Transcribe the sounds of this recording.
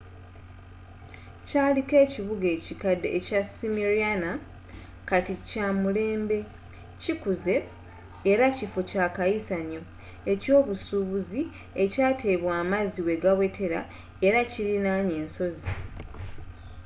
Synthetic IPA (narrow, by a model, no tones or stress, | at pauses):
caːlike̞ːciβuɡe̞cikadeecasimiɾiana | katicamule̞ːmbe̞ | cikuze̞ː | ɾacifocakajisaɲo̞ | eco̞ːβusuːβuzi | e̞caːte̞ːβwaːmaziwe̞ɡawe̞tʰe̞ɾa̰ | e̞ɾacilinaɲe̞ːnso̞zi